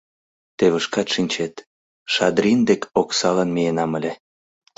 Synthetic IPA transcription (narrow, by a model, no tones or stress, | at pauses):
t̪eβəʃkɑt̪ʃinʲt͡ɕet̪ | ʃɑd̪ɾʲind̪ekoksɑlənmijenɑməlʲe